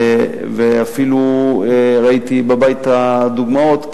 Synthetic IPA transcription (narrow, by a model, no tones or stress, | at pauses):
veafilu | ʁait̪ibabajt̪ad̪uɡmao̞t̪